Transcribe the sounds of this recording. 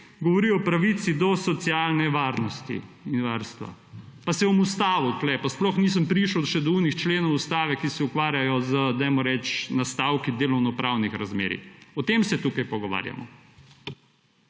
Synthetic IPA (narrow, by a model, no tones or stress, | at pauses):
ɡɔʋɔɾiɔpɾaʋit̪sid̪ɔsɔt̪sjalnɛʋaɾnɔst̪ḭinʋaɾst̪ʋa̰ | pasɛɔmust̪aːʋuklɛpasplɔxniːs̬əmpɾiʃəwʃɛd̪ɔunixt͡ʃleːnɔwust̪aːʋɛkisɛukʋaːɾjajɔzəd̪ajmɔɾɛt͡ʃnast̪awkid̪eːlɔwnɔpɾawnixɾazmḛːɾḭɔt̪emsɛt̪ukajpɔɡɔʋa̰ɾja̰mɔ̰